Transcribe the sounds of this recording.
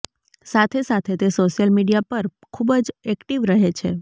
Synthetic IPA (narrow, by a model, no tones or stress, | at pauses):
sat̪ʰesat̪ʰet̪esoʃijəlmiɖijapəɾ | kʰubd͡ʒɛkʈiʋɾəɦet͡ʃʰḛ